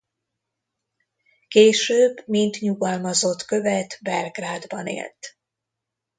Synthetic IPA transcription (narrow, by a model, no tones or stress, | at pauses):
keːʃøːbmint̪ɲuɡɒlmɒzo̞t̪kø̞vɛt̪bɛlɡraːd̪bɒnḛːlt̪